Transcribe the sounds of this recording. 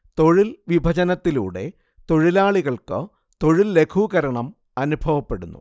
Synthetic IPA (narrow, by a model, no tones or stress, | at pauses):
t̪o̞ɻilʋibʱɐt͡ɕɐnɐt̪ːilṵːɽe̞̰ | t̪o̞ɻilaːɭiɣɐɭkɨ̰ | t̪o̞ɻilːe̞kʰuːɣɐɾɐɳɐm | ɐnubʱɐʋɐpːe̞ɽunːṵ